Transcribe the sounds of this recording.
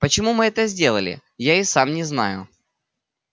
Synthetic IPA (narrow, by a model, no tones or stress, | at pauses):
pət͡ɕɪmumɨɛt̪əzʲdʲe̞lˠə̰lʲɪ̰ | jaisamnʲɪzna̰jʊ̰